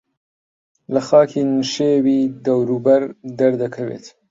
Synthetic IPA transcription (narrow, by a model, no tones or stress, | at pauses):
lɐxɑːkʰinuʃeːwid̪ɐwɾuːbɐɾd̪ɐɾd̪ɐkʰɐwḛːt̪